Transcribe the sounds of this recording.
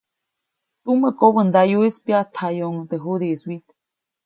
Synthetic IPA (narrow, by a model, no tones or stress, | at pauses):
t̪uməkoβənd̪ajuispjat̪ʰajoŋt̪eɦud̪ieswit̪e̥